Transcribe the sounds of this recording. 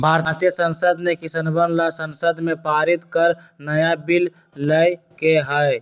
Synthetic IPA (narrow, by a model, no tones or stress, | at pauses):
bʱaɾɾt̪ijəsənsəd̪nekisənbənlasənsəd̪mepaɾit̪kəɾ | nəjabil | ləj | keɦəj